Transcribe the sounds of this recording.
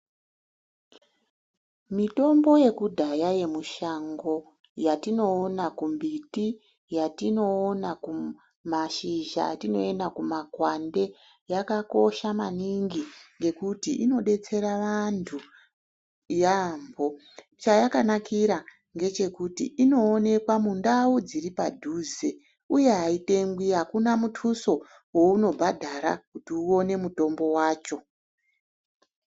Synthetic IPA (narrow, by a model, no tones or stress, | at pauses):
mito̞mbo̞je̞kudʱajaje̞muʃaŋɡo̞ | jatino̞ːnakumbiti | jatino̞ːnaku | maʃiʒa̰tino̞endakumakwande̞ | jakako̞ʃamaniŋɡiŋɡe̞kutiʔino̞ɗe̞t͡se̞ɾaʋantʰu | jambʱo̞ | t͡ʃajakanakiɾa | ŋɡe̞t͡ʃe̞kutḭʔino̞ːne̞kwamundaud͡ziripadʱuːze | uje̞ɦaite̞ŋɡwiɦakunamutʰuso̞ | wo̞uno̞bʱadʱaɾa̰kutiuo̞ne̞muto̞mbo̞waːt͡ʃo̞